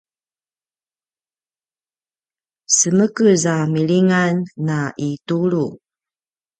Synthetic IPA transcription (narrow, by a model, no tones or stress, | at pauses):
səməkəzamiɭiŋanːaʔituɾu